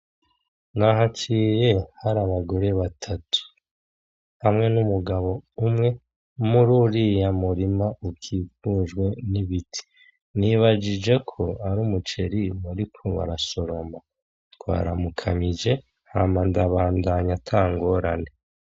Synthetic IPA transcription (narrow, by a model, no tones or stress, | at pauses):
naɦat͡ʃiɾe̞haɾaβaɡo̞ɾe̞βatʰatu̥ | hamŋe̞numuɡaβo̞umŋe̞ | muɾuɾijamuɾimaukʰiːfuːʒɡwe̞niβitʰi̥ | niβad͡ʒid͡ʒe̞kʰo̞aɾuːmut͡ʃe̞ɾimaɾikʰoβa̰ɾaso̞ɾo̞ma | kwa̰ːɾa̰mukʰamid͡ʒe̞ | hamandaβaːndaɲatʰaːŋɡo̞ɾane̞